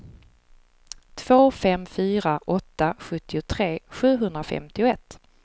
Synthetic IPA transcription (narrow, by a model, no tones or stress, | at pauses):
t̪ʰv̥oːfɛmfyːɾaʔɔt̪ːaɧɵt̪ːɪʊt̪ʰɾeːɧʉ̟ːɦɵnd̪ɾafɛ̰mt̪ɪʊɛt̪ː